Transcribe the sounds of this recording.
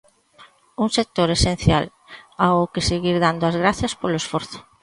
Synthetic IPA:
uŋsek̚t̪oɾesen̟θjal | aʊkɪseɣiɾðand̪ʊazɣɾaθjɐspolʊesfoɾθʊ̥

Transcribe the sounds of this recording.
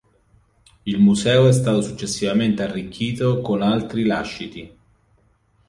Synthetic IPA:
ilmusɛːoɛs̬t̪aːt̪osut͡ʃːesːivament̪earːikʰʲːiːt̪okonalt̪ɾilaʃːit̪i

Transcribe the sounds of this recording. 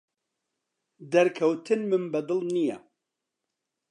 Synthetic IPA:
d̪ɐɾkʰɐwt̪ʰɨnmɨmbɐd̪ɨlnijɛ̰

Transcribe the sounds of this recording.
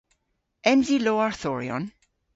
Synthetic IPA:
ʔɛ̃mziloaɹθɔɹiɔ̰̃n

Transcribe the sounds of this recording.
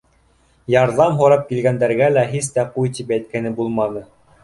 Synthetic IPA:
jɑɾðɑmɦŏɾɑp̚kilɡænd̪æɾɡælæɦis̬t̪æqujt̪ipæjt̪̚kænɘbulˠmɑnɤ

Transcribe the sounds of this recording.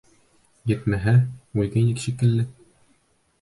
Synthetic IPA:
jɘ̆t̪mæɦæʉlɡæjnɘkɕikɘ̆lːɘ

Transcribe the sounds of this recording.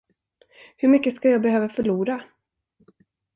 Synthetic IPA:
hɵɾmʏkːəskajɑːɡ̚bɛhøːvafœɭuːɾa

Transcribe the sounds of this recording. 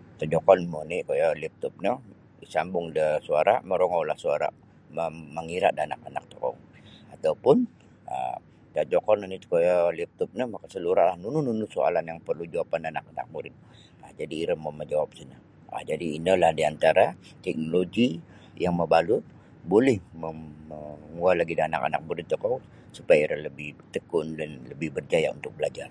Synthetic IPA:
t̪əd͡ʒɔkɔnmonikojalip̚t̪ɔp̚nə | isambʊŋdəsuaɾa̰məɾoŋɔwlahsuaɾa̰ | məməŋiɾa̰ʔdanakanak̚t̪okɔ̰ŋ | at̪awpʊn | ə̰ | t̪əʔd͡ʒɔkɔnənikojalip̚t̪ɔp̚nəmakasəluɾalahnunununusoa̰lanjaŋpərlud͡ʒaapandanak̚ana̰k̚muɾɪt̪̚ | ad͡ʒadiːɾəmaməd͡ʒawap̚səna | a̰d͡ʒadiːnəlahdiant̪aɾat̪ɛk̚noloɡi | jaŋməbalʊt̪̚ | bolɛhməəŋualaɡidana̰ka̰na̰k̚muɾɪt̪̚t͡ʃɔkɔ | supajaiɾaləbɪht̪əkʊndanləbɪhbərd͡ʒajaṵnt̪ʊk̚bəlad͡ʒar

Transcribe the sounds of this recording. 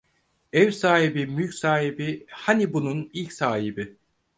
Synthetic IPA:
ɛvsaːɦibimylcʲsaːɦibihanibununilʲcsaːɦibi

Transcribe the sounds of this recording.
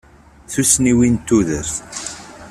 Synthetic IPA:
θusniwint̪ːuðəɾθ

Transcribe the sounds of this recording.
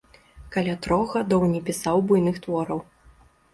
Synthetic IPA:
kalʲat̪ɾɔɣɣad̪ɔwnʲɛpʲisawbujnɨxt̪vɔɾɐw

